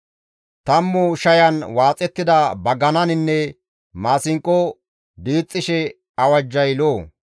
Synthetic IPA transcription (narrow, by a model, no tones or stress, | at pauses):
t̪ɐmːʊʃɐjɐnwaːt͡sʼɛt̪ːɪd̪ɐbɐɡɐnɐnɪnːɛ | maːsɪŋkʼːɔ | d̪iːt͡sʼːɪʃɛ | ɐwɐd͡ʒːɐjloː